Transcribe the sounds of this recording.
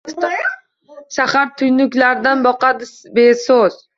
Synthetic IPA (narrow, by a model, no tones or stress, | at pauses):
ʃahaɾt̪ʰʊjnʊkʲlaɾd̪anbɒqɑd̪ɪbesoz̥